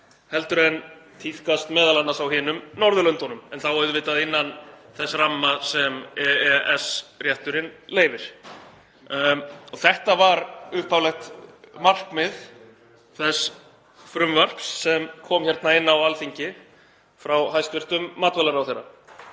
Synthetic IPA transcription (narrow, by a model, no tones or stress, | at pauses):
hɛlt̪ʏɾɛnt̪ʰiθkast̪mɛːðalanːasawɦɪːnʏmnɔɾðʏlœnt̪ɔnʏmɛnθawaɾʏvɪːt̪aðɪnːanθɛsːɾamːasɛmɛɛɛsrjaht̪ʏɾɪnleːjvɪɾ̥ | ɔθɛht̪avaɾʏhpʰawlɛxt̪mar̥kmɪð | θɛs | fɾʏmvar̥psːɛmkʰɔːmçɛɾt̪naɪnːawalθiɲcɪ | fɾawhajst̪vɪr̥t̪ʏmːaːt̪vɛlaɾawθejɾːa̰